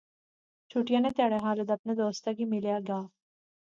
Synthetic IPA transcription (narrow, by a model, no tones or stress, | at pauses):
t͡ʃʰuʈijãnet̪jaːɽeɦaːlod̪ɐpned̪oːst̪akimɪljaɡaː